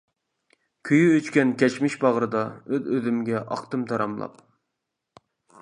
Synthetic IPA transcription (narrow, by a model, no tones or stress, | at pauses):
kʲʰøjyøt͡ʃkʲɛnkʲʰɛt͡ʃmɪʃbɑʁɾɨd̪ɑøzøzymɡʲɛʔɑ̰qt̪ɨmt̪ʰɑɾɑmlˠɑ̰p̚